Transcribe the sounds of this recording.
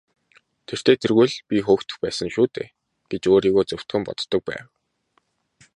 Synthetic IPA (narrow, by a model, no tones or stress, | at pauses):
t̪ʰer̥t̪ʰeːt̪ʰerɣuɮpʲixoːxt̪ɵ̆xpæːsə̆ŋʃuːt̪ʰḛː | ɡ̥et͡ɕoːɾiːɣoːt͡sɵw̥t̪ɡɘ̆mpɔ̰t̪ːɞ̆k̚pæ̰ːw